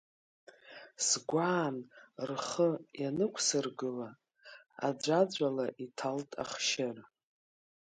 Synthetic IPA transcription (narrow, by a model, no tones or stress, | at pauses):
sɡʷaːnrχəjanɨkʷʰsɨrɡɨla | a̰d͡ʒʷad͡ʒʷʼalaʔitʰaltʼa̰χʃɪr